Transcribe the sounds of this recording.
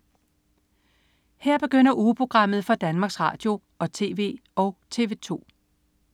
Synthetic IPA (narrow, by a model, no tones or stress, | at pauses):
hɛɐ̰b̥e̝ɡ̥øn̰ɐʔuːpʰʁo̝ɡ̥ʁɑ̈m̰ð̞̩ˠfɒ̽d̥ænmɑ̈ːɡ̥sʁɑ̰̈ːd̥jo̝ | ʔɒ̽t͡sʰe̝̰ːʋe̝̰ːɒ̽ʊt͡sʰe̝̰ːʋe̝t͡sʰo̝̰ː